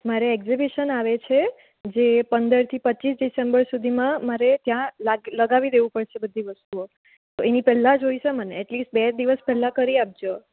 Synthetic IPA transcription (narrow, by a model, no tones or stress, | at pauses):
maɾeɛɡzibiʃənaʋet͡ʃʰe | d͡ʒepənd̪əɾt̪ʰipətːt͡ʃis̬ɖisembəɾsud̪ʱimãmaɾet̪jãlaɡləɡaʋid̪eʋũpəɽʃebəd̪ʱːiʋəst̪uo | t̪oenipɛɦlãd͡ʒoiʃeməneɛʈlisʈ̚bɛd̪iʋəspɛɦlãkəɾiap̚d͡ʒo